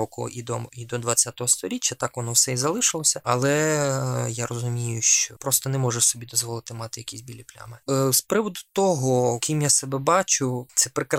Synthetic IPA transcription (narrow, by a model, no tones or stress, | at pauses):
ɔkʊ̰id̪ɔid̪ɔd̪ʋɐt͡sʲːat̪ɔɦɔst̪ɔɾʲit͡ʃʲːɐt̪ɑkʋɔnɔwsɛizɐlˠɪʃɪlˠɔsʲɐɐlˠɛ | jarɔzʊmʲijʊʃt͡ʃɔpɾɔst̪ɔnɛmɔʒɛsɔbʲid̪ɔzʋɔlˠɪt̪ɪmɑt̪ɪjɐkʲisʲbʲilʲiplʲa̰mɪspɾɪʋɔd̪ʊ̥t̪ɔɦɔkʲimjasɛbɛbɑt͡ʃʊt̪sɛpɾɪkɾ